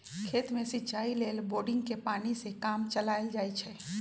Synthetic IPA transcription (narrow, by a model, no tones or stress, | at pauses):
kʰet̪mẽsɪt͡ʃaileːlboɾɖɪ̃ŋɡkepaːnisẽkamt͡ʃəlajld͡ʒajt͡ʃʰɛ